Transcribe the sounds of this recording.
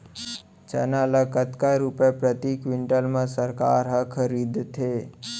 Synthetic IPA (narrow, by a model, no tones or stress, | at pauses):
t͡ʃə̰naləkət̪kaɾupepɾət̪ikʋɪɳʈəlmãsəɾkaːɾɦəkʰəɾid̪t̪ʰe